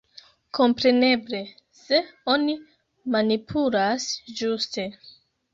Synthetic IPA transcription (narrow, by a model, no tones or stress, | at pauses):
ko̞mpɾe̞ne̞ble̞ | se̞o̞ni | manipʰulasd͡ʒuste̞